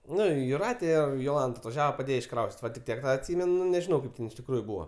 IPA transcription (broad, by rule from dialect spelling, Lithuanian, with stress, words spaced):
ˈnʊ jʊˈrɑːtʲɛ ˈɪr joːˈlˠɐnt ɐtʋɐˈʒʲæːʋɐ pɐˈdʲeːjɛ ɪʃˈkrɐʊsʲtʲɪtʲ ˈʋɐ tʲɪk ˈtʲiɛk ˈtɑː ɐtʲˈsʲɪmʲɛn nʊ nʲɛʒʲɪˈnɐʊ ˈkɐɪp tʲɛn ɪʃ tʲɪkˈruːjʊ ˈbuːʋɐ